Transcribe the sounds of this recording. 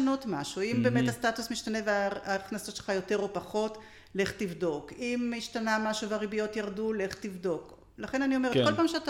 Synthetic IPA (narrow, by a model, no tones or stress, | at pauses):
ano̞tmaʃuimbeːmet̪hastatusmiʃtane̞veaaχnasotʃelχajo̞te̞ʁo̞paχo̞t | le̞χtivdo̞kimiʃtanamaʃuvaʁibijo̞tjaʁdule̞χtivdo̞k | laχe̞nanio̞mekolpaːmʃeata